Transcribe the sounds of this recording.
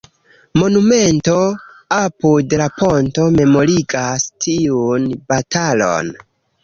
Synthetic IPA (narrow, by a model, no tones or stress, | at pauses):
mo̞nume̞nto̞ | apudlaponto̞me̞mo̞ɾiɡastʰiunb̥atʰalo̞̰n